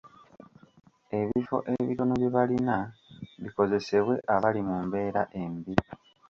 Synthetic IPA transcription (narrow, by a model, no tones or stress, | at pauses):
e̞βifo̞̰ʔe̞βiɾo̞noβjeβalinaβiko̞ze̞se̞βwe̞ʔaβalimumbe̞ːɾaʔe̞mbi